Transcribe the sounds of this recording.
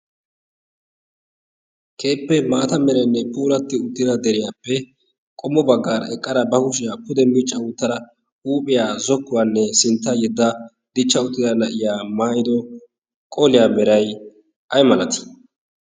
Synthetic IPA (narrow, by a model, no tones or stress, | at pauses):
kʰe̞ːpːɛmaːt̪ɐmɛɾɛnːɛpʼuːlɐt̪ːɪʊt̪ːɪd̪ɐd̪ɛɾɪjaːpːɛ | kʼɔmːɔbɐɡːaːɾɛkʼːɐɾɐbɐhʊʃ̬ɪjaːpʊd̪ɛmmɪt͡ʃʼːɐʊːt̪ːɐɾɐ | uːpʼɪjaːzɔkːʊwanːɛsɪnt̪ːɐjɛd̪ːɐ | d̪ɪt͡ʃːɐʊt̪ːɪd̪ɐnɐʔɪjaːmaːjɪd̪ɔ | kʼɔlɪjaːmɛɾɐj | ʔɐjmɐlɐt̪ɪ̥